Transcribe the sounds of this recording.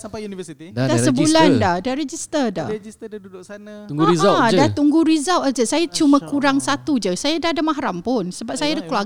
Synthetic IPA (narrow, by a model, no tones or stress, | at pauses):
idasəbulandahdaɾəd͡ʒist̪ərdah | ŋɡizdat̪uŋɡuɾizawʔad͡ʒəsajat͡ʃumãkuɾaŋsat̪ud͡ʒəsajadadamaɦɾampʊnsəbap̚sajadaklwa